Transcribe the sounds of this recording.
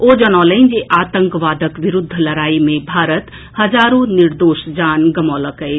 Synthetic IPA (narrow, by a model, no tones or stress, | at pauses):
od͡ʒənaːlənd͡ʒeʔaːt̪əŋkʋaːd̪ʱəkʋiɾʊd̪ʱːlɐɾaːimẽbʱaːɾət̪ | həd͡ʒaːɾũniɾd̪oːʃd͡ʒaːnɡəmɔləkəj